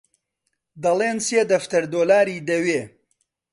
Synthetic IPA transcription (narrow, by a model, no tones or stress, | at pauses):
d̪ɐleːnseːd̪ɐft̪ɐɾd̪oːlaːɾiːd̪ɐweː